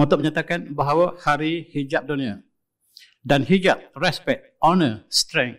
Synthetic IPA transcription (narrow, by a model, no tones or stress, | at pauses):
ɔ̃t̪ɔʔ̚məɲat̪akanbaɦawahaɾihid͡ʒap̚dunĩə | danhid͡ʒap̚rɛspɛt̪̚ɔnəst̪ɾɛ̃ŋ